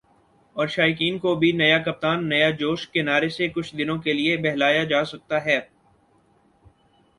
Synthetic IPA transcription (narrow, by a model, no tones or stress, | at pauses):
ɔːɾʃaːjk̬iːnkobʱinɐjakɐp̚t̪aːnːɐjad͡ʒoːʃkenaːɾesekʊt͡ʃʰd̪ɪnõkeliebɛɦlaːjad͡ʒaːsɐk̚t̪aɦɛː